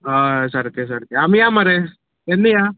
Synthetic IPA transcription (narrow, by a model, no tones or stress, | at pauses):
ɦasəɾkes̬əɾkeamijamaɾe | enːijaː